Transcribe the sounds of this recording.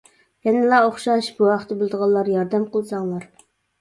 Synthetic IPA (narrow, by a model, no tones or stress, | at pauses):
jɛnɪlˠɑoχʃɑʃb̥uɑqʰət̪ːɪbɪlˠd̪əʁɑlˠːɑɾjɑɾd̪ɛmqəlˠɨsɑŋlˠɑɾ